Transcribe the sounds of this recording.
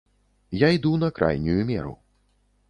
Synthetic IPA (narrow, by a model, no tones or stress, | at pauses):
jajd̪unɐkɾʔa̰jnʲujumʲɛ̰ɾṵ